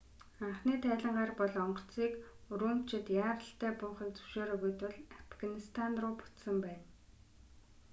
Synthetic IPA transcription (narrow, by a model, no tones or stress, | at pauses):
aɴχniːt̪ʰæːɮə̆ɴɢaːrpɔɮɔɴɢɞ̥̆t͡siːkɵɾuːm̥t͡ɕɪ̆t̪jaːɾə̆ɬt̪æːpʊːχiːk̚t͡sɵ̥wʃeːɾə̆ɣujt̪wʊ̆ɮafɡanist̪ʰanrʊːpʊ̥t͡ssə̆mpæːn